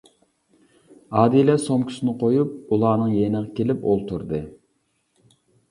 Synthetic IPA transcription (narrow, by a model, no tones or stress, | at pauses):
ɑːd̪ilɛsomkʲʰy̥sɪnɪqʰojup̚ulˠɑːnɨŋjenəʁɑkʲelɪpolˠt̪ʰuɾd̪ɨ